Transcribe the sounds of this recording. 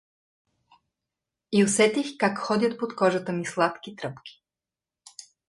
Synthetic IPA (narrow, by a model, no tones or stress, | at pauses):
iosɛt̪ixkakxɔd̪ʲət̪̚pot̪kɔʒət̪əmislˠat̪k̟ʲit̪ɾəpkʲi̥